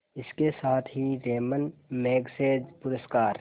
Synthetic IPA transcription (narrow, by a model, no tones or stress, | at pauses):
ɪskesaːt̪ʰɦiɾeːmənmeːɡseːd͡ʒpʊɾəskaːɾ